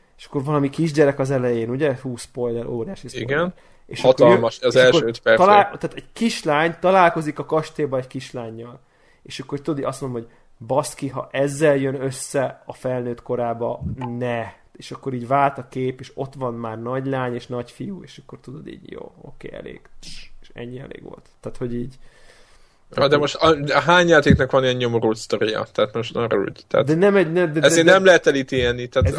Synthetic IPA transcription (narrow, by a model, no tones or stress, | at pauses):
eːʃɒ̥kːo̞rvɒlɒmikiʒɟɛɾɛkɒzɛlɛjeːnuɟɛhuːsspo̞jlɛɾʔoːɾijaːʃisiɡɛn | ḛːʃɒk̪omʃzɛlkoøɛt̪ɒlaːlt̪aːt̪ɛɟkiʃlaːɲt̪ɒlaːlko̞zikɒkɒʃt̪eːbɒɛɟkiʃlaːɲːɒl | eːʃɒkːo̞rt̪ud̪od̪iɒsmonomho̞ɟ | bɒskiɦɒ̰ʔɛzːɛljønøsːɛɒfɛlnøːt̪ko̞ɾaːbɒnɛ | eːʃɒkːo̞ɾiːɟvaːlt̪ɒkeːpeːʃo̞t̪ʋɒnmaːrnɒɟlaːɲeːʃnɒcfijueːʃɒkːo̞rt̪ud̪o̞d̪ḭːɟjo̰ːo̰kḛːɛ̰lḛːɡ̥eʃɛ̰ɲːiɛ̰lḛːɡʋo̞̰lt̪ːaːt̪ho̞ɟiːɟ | ɒd̪ɛmoʃt̪ɦaːɲjaːt̪eːknɒkʋɒniɛɲɲomoɾuːt̪st̪oɾijɒ̰t̪aːt̪moʃt̪nɔrṵɟt̪ɛ̰ːd̪ɛnɛmɛɟnɛmd̪ɛɛzeːnnɛmlɛɦɛt̪ɛlit̪eɛnːit̪aːt̪